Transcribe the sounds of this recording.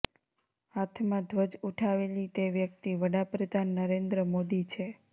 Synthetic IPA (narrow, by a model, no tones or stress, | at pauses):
at̪ʰmãd̪ʱʋəd͡ʒuʈʰaʋelit̪eʋjək̚t̪iʋəɽapɾəd̪ʱanːəɾend̪ɾəmod̪it͡ʃʰe